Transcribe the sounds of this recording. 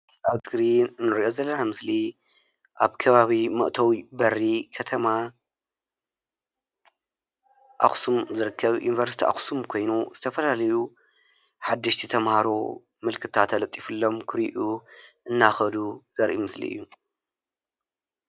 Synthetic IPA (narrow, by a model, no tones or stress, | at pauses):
ʔaβɡɾinɨnːɨɾiʔo̞zɐlːɐnamɨsli | ʔaβkʰɐβaβimɨ̰ʔt̪ʰɐwibɐrːikʰɐt̪ʰɐma | ʔa̰xsumzɨɾɨkʰːɐβjṵnivɐɾsi̥t̪ʰiʔa̰xsumkʰo̞jnuz̥ɨt̪ʰɐfɐlalɐju | ħad̪ːɨʃt̪ʰit̪ʰɐmhaɾo | mɨlkʰɨt̪ʰat̪ʰːɐlɐt̪ʼifɨlːo̞mkʰɨɾiʔuʔɨnːaxɐd̪uz̥ɐɾʔimɨslḭʔɨ̰jːu